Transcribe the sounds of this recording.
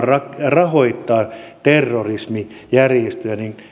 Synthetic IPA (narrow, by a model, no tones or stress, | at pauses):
rɑkrɑhoit̪ːɑːt̪erːorismi | jærjest̪øænin